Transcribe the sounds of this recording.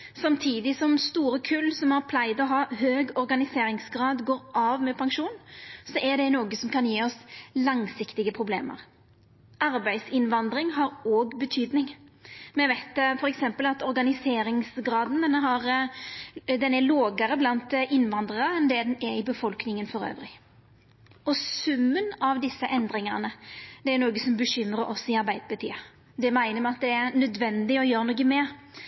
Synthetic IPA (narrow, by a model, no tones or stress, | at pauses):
sɑmt̪ʰiːd̪ɪsɔmst̪uːɾəkʰʉlsɔmæɾpʰlæɪd̪ɔɦɑːhøːɡɔɾɡɑnɪseːɾɪŋsɡɾɑːd̪ɡoːɾɑːʋmɛpʰɑŋʂuːnsɔʔæɖ̪ɛnoːɡəsɔmkʰɑnjeːɔslɑŋsɪkt̪ɪɡəpʰʁʊblḛːmə̰ɾ | ʔɑɾbæɪsɪnʋɑnd̪ɾɪŋɦɑɾoːɡbət̪ʰyːd̪nɪŋmɛʋæɪt̪̚fɔɾɛksɛmpəlɑt̪ɔɾɡɑnɪseːɾɪŋsɡɾɑːd̪n̩d̪ɛnːəɦɑɾ | d̪ɛnæloːɡəɾəblɑnt̪ʔɪnʋɑnd̪ʁəɾəɛnd̪ɛd̪ɛnɛɪbəfɔlknɪŋənfɔɾø̰ːʋɾɪ | ɔsʉmːənɑʋd̪ɪsːəʔɛnd̪ɾɪŋəɾnəd̪ɛæɾnoːɡəsɔmbəɕʏmɾəɾɔsɪɑɾbæɪd̪əbɑt̪ʰḭːə | d̪ɛmæɪnəmɛɑt̪̚d̪ɛæɾnœd̪ʋɛnd̪ɪɔjøːɾnoɡəmɛ